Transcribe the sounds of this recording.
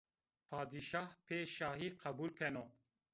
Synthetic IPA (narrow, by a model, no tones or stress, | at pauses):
pʰaːd̪iʃaːhpʰeːʃaːɦiːqʰɐbuːlkʰɛno